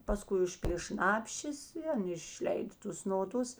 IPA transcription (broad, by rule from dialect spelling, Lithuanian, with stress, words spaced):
pɐˈskʊɪ ˈʊʃʲpʲiːlʲeː ˈʃnɑːpʲʃʲeːs ɪ ˈɐn ɪʃʲˈlʲɛɪdɐ ˈtʊs noːˈdʊs